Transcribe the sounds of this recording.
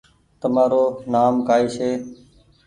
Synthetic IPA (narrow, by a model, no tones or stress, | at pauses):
t̪əmaːɾoːnaːmkaːiːʃeː